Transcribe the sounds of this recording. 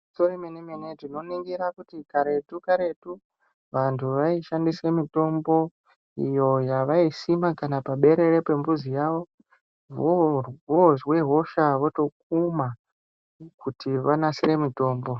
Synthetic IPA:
soremenemenetino̞niŋɡiɾakutikaɾe̞tukaɾe̞tu | ʋantʰuʋaiʃandise̞mito̞mbo̞ | ḭjo̞jaʋaisimakanapaɓe̞ɾe̞ɾe̞pe̞mbuzijaʋo̞ | ʋoʋoʐwe̞ɦo̞ʃaʋo̞to̞k̚uma | kutiʋanasiɾe̞mito̞ːmbo̞

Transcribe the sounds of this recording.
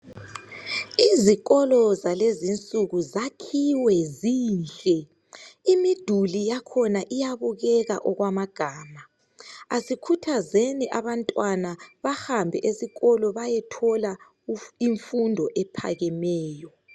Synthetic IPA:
iziɣɔlɔzalezint͡sʼuɣuzakʰiwɛziːnɬʼɛ | imid̥ʱulijakʰɔnaʔijaβuɣɛɣa̰ʔɔɣwamaɡ̥ʱaːma | asikʰutʰazeniʔaβantʼwanaβahambʱɛʔesiɣɔlɔβajɛtʰɔla | iɱfundʱɔʔɛpʰa̰ɣɛmɛːjɔ

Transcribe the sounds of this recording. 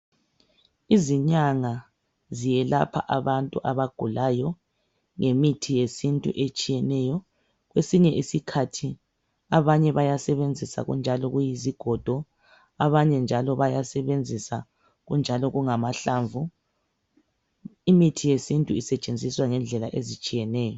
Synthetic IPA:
iziɲaŋa | zijɛlapʰa̰ʔaβantʼuʔaβaɡ̥ʱulajɔ | ŋʔemitʰijesintʼṵʔet͡ʃʼijɛnɛjɔ | ɣwesiɲɛʔisikʰatʰi | aβaɲɛβajasɛβend͡zʱisa̰ɣṵnd͡ʒʱalɔɣujiziɡ̥ʱɔd̥ʱɔ | aβaɲɛnd͡ʒʱalɔβajasɛβend͡zʱisa | ɣund͡ʒʱalɔɣuŋamaɬaɱvu | imitʰijesintʼuisɛt͡ʃʼend͡zʱiswaŋɛnd͡ɮʱɛlaʔezit͡ʃʼijɛnɛːjɔ

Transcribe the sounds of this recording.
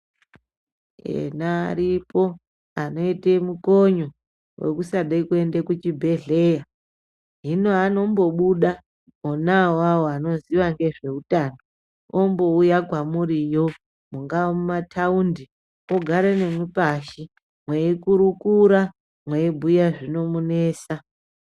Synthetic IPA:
ḛnaːɾipo | ano̞itemukoɲo̞ | we̞̰kusaɗaikue̞ndekut͡ʃibʱe̞ɮe̞ːja | ɦinoano̞mbo̞ɓuɗa | onawawoano̞ziʋaŋɡe̞ʐe̞utano | ombo̞ujakwamurijo̞ | muŋɡawomumatʰaundi | oɡʱaɾene̞mwipaʃi | mweikuɾukuɾa | mweibʱujaʐino̞mune̞ːsa

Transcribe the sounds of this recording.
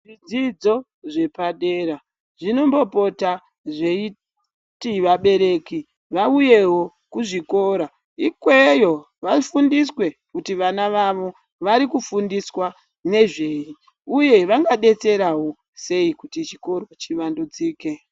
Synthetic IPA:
ʐid͡zid͡zo̞ | ʐe̞paɗe̞ra | ʐino̞mbo̞po̞ta | ʐe̞i | tiʋaɓe̞ɾe̞ːki | ʋauje̞ɦo̞ | kuʐiko̞ːɾa | ikwe̞jo̞ | ʋafundiswe̞kutiʋanaʋaʋo̞ | ʋaɾikufundiswa | ne̞ʐeːi | uje̞ʋaŋɡaɗe̞t͡se̞ɾawo̞ | se̞ikutit͡ʃiko̞ro̞t͡ʃiʋandud͡ziːke̞

